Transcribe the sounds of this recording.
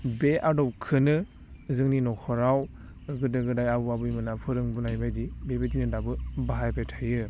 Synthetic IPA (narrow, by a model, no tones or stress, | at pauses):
beʔadɔp̚kʰɯnɯ | zɯŋninɔkʰɔɾaw | ɡɯdɯɡɯdajabuabɯjmɯnapʰɯɾɯŋbunajbajdibebetinɯdabɯbaɦajpʰejtʰajɯ